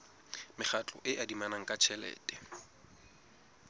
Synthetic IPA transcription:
mɪχʰat͡ɬʼɔ̰ʔɪʔadimanaŋ̩kʼat͡ʃʰɛlɛ̰ːtʼɛ̥

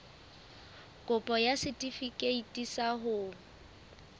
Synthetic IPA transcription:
kʼʊpʼɔjasɪtʼifikʼeitʼisaɦʊ

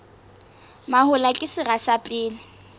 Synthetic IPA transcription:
mahʊlakʼɪsɪɣasapʼɪːlɪ

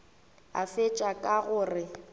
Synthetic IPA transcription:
a̰fet͡ʃʼakʼaɣʊːrɪ

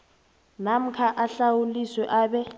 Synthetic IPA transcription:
nam̩kʰaʔaɬawuliswɛʔaːɓɛ

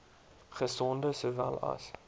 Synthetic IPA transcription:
χəsɔndəsoːvæ̰lɐ̰s

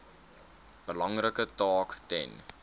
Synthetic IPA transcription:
b̥əlɐŋrəkətɑːktɛ̰n

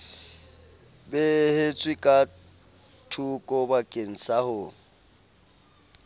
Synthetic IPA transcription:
bɛhet͡sʼwikʼa | tʰukʼɔbakʼen̩sʰahʊ

